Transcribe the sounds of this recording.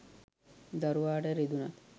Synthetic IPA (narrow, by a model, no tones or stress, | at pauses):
d̪ɐɾuʋaːʈəɾid̪unɐt̪